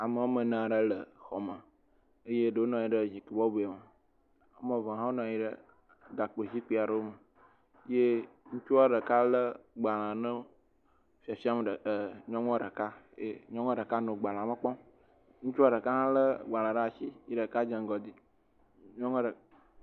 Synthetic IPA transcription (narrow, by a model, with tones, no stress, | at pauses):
a˨mə˨wo˦mə̃˨nã˨ɖə˦lə˨xɔ˨mə˨ | ə˦je˦ɖə˨wo˦nɔ̃˨ji˦ɖə˨zi˨ki˨bɔ˦be˨a˨mə˨ | a˦mɔ̃˨vã˨ɦã˦wo˦nɔ̃˨ji˦ɖə˦˨ | ɡa˨k͡pe˨zi˦k͡pi˨a˨ɖə˦wo˦mə˨ | je˦ŋũ˦t͡ʃu˦a˦ɖə˨ka˦lə˦ɡ͡ba˨lã˨nə̃˦ | fi˦a˨fi˦a˦m˨ɖə˨ə˨ɲɔ̃˦ŋɔ̃˦ɖə˨ka˦jḛ˦ɲɔ̃˦ŋɔ̃˦ɖə˨ka˦nõ˨ɡ͡ba˨l̃ã˨mə̃˨k͡pɔ˦ | ŋũ˦t͡ʃu˦a˦ɖə˨ka˦ɦã˦lə˦ɡ͡ba˨l̃ã˨ɖə˦a˨si˦i˦ɖə˨ka˦d͡ʒə̃˨ŋ˦ɡɔ˨d̪i˦ | ɲɔ̃˦ŋɔ̃˦ɖə˨